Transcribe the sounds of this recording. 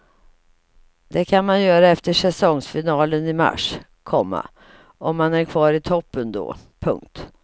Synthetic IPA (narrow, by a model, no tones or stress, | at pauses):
d̪̥ɛkʰanmanjœːɾaɛft̪əʂɛsɔŋsfɪnɑːlənɪma̰ʂ | kʰɔmːa̰ | ɔmːanæɾkʰvɑːɾɪt̪ʰɔpːənd̪o̰ːpʰɵ̰ŋk̚t̪